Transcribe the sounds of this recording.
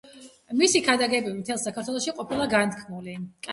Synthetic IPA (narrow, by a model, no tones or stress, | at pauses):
misikʰad̪aɡɛbimt̪ʰɛlˠsakʰaɾt̪ʰwɛlˠɔʃiqʼɔpʰilˠaɡant̪̚kʰmulikʼ